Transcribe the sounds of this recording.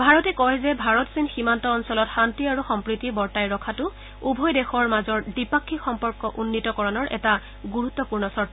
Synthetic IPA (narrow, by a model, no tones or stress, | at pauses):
bʱaɹɔtɛkɔjzɛbʱaɹɔtsinximantɔːnsɔlɔtxantiaɹuxɔmpɹitibɔɹtajɹɔkʰatʊ | ubʱɔjdexɔɹmazɔɹdipakʰːixɔmpɔɹkɔʔunːitɔkɔɹɔnɔɹʔɛ̰ta | ɡuɹut̪ːɔpuɹnɔsɔɹta